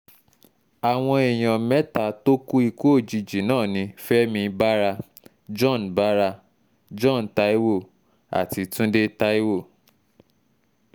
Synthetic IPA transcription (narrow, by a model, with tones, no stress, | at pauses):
a˨w̃ɔ̃˧e˨j̃ɔ̃˨mɛ˦ta˧to˦ku˦i˧ko˦o˦˨d͡ʒi˧d͡ʒi˨˦nãː˦˨nĩ˧˦fɛ˦mĩ˧ba˦ɾa˧ | d͡ʒɔ̃˦˨n˨ba˦ɾa˧ | d͡ʒɔ̃˦˨n̩˨ta˦i˦wo˦˨ | a̰˨ti˧tũ˦de˦ta˦i˦wo˦˨